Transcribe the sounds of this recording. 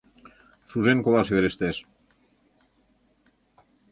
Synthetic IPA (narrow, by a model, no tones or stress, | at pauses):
suzeŋkoβasieɾest̪es